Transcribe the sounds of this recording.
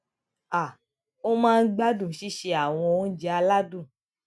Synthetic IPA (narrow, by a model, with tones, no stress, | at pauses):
a˨ | o˦mãː˦˧n̩˦ɡ͡ba˦dũ˦˨˦ʃi˦ʃe˧a˨w̃ɔ̃˧o˧˦n̩˦d͡ʒɛ˧˦a˧la˦dũ˦˨